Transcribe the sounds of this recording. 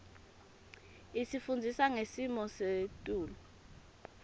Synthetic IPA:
isifund͡zʱisaŋesimɔsetʼuːlɔ

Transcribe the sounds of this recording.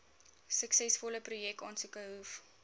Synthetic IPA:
səksɛsfɔləprujɛk̚tɑːnsukəɦuf

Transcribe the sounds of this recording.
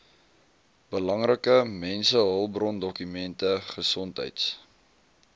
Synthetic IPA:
b̥əlɐŋɾəkəmɛnsəɦəlˠbrɔndɔkymɛntəχəsɔntɦə̰jts

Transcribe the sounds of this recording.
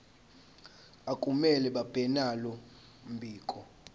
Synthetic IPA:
akʼumɛlɛɓab̥ʱɛnalɔ | m̩bʱiːkʼɔ

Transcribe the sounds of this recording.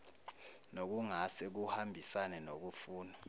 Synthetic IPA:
nok̬uŋasɛk̬uhambʱisanɛnok̬ufuːnɔ

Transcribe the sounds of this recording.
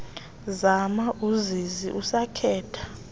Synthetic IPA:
zamaʔuzizḭʔusakʰɛːtʰḁ

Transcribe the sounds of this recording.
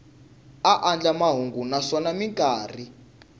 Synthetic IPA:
aʔand͡ɮamaɦuŋɡunasɔnamiŋkʼaːr̤i

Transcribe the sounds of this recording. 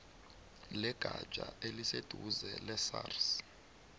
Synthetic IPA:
lɛɡ̥ʱḁʒ̥ʼʱa̰elised̥ʱuzɛlɛsa̰ːrs

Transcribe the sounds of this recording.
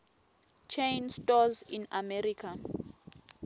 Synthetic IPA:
t͡ʃʰẽjnstɔzĩnamɛɾikʰa

